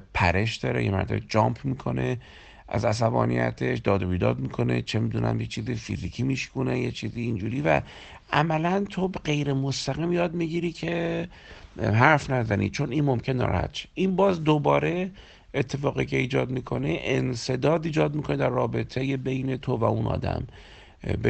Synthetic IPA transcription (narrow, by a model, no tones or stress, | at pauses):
pʰæɾe̞ʃd̪ɒːɾe̞jemæ̰ɾd̪ḛed͡ʒɒːmpʰmiːkʰo̞̰ne̞ | ʔæ̰zæs̬æbɒ̰ːnḭjæ̰t̪ʰeʃd̪ɒːd̪oβiːd̪ɒ̰ːd̪miːkʰo̞ne̞̰t͡ʃʰemiːd̪unʔæ̰mjet͡ʃʰiːzifḭzikʰimiʃkunejet͡ʃʰiːziːnd͡ʒuːɾiːvæ̰ | ʔæmælænt̪ʰobeɢe̞jɾemost̪æɣiːmjɒːd̪miɟiɾiːcʰe̞ | ɦæɾfnæzænʔḭt͡ʃʰo̞niːnmomkʰenːɒ̰ɾ̰hæ̰t̪ʃe̥ʔiːnbɒːzd̪obɒːɾe̞ | et̪ʰːe̞fɒːɣicʰe̞iːd͡ʒɒːd̪mikʰo̞̰neʔense̞d̪ɒːd̪iːd͡ʒɒːd̪mikʰo̞ned̪æɾːɒːbe̞t̪ʰejebe̞jne̞t̪ʰovæunʔɒ̰ːd̪æ̰m | be